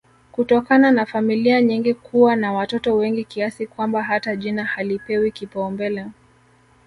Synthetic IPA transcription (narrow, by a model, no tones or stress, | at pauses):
kutɔkananafamiliaɲiŋɡikʰuwanawatɔtɔwɛŋɡikiasikwambaɦataʄinahalipɛwikipaumbɛlɛ